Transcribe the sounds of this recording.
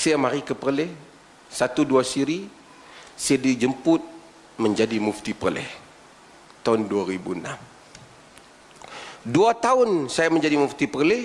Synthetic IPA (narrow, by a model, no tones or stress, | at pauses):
sijamaɾikəpərlɛh | sat̪uduasiɾi | siadid͡ʒəmpʊt̪̚ | məɲd͡ʒadimuft̪ipəlɪ̰h | t̪aʊnduaɾibṵənam | duat̪aʊnsajaməɲd͡ʒadimuft̪ipərlɪ